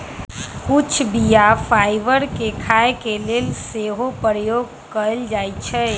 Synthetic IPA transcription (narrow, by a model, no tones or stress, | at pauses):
kʊt͡ʃʰbijafʰaːɪʋəɾkekʰaːekeleːlseːɦopəɾəjoːɡ̚ | kəld͡ʒaːit͡ʃʰɛ